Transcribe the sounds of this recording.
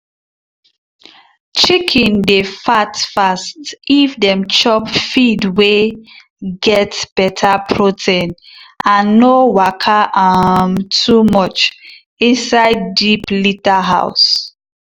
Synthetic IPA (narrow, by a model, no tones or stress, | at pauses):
t͡ʃikʰĩndefatfastivdɛ̃mt͡ʃɔpfidwe | ɡɛtb̥ɛtʰapʰɹotʰẽnʔãnːowakʰaʔamtʰumɔt͡ʃ | ĩnsaɪdːiplitaɦa̰ʊs